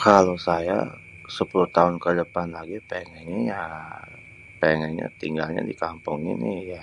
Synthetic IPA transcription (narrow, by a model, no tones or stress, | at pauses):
kalosaja̰ | səpuluht̪aʊnkədəpanlaɡipeŋɛnija | peŋɛnɲa̰t̪iŋɡalɲa̰dikampʊŋḭnija